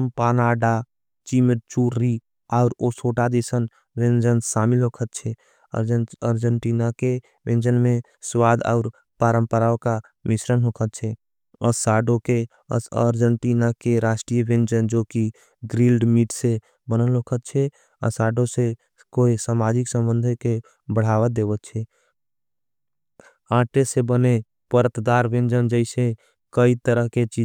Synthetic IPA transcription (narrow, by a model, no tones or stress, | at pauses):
mpaːnaːɖa | t͡ʃimət͡ʃuːɾːi | aʊɾosoːʈad̪isən | ʋẽnd͡ʒənsaːmɪlɦoːkʰət̪̚t͡ʃʰɛ | ə̰əɾd͡ʒəɳʈiːnake | ʋẽnd͡ʒənmẽ | swaːd̪a̰ʊɾ | paːɾəmpəɾaoka | mɪʃɾənɦoːkʰət̪̚t͡ʃʰɛ | əsaːɖõke | əsə̰ɾd͡ʒəɳʈinakeɾaʃʈɾijəbẽnd͡ʒənd͡ʒoːki | ɡɾilɖmiʈse | bənəlɦokʰət̪̚t͡ʃʰɛ | ə̰saɖose | koisaːmad͡ʒiksə̃mbə̃nd̪ʱeke | bəɽ̤aːʋəd̪eːbət̪̚t͡ʃʰɛ | ãʈesebəne | pəɾət̪d̪aɾbẽnd͡ʒənd͡ʒəɪse | kəit̪əɾəɦket͡ʃi